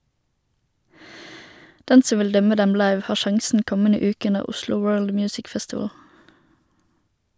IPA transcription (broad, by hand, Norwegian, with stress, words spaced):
ˈdɛn ˈsɔ ˈʋɪl ˈdœmə ˈdɛm ˈlɑɪʋ ˈhɑːʁ ˈʃɑŋsn̩ ˈkɔmənə ˈʉːkə ˈʉnəʁ ˈʊslʊ ˈwɜːɭd ˈmjʉːsɪk ˈfɛstɪʋəl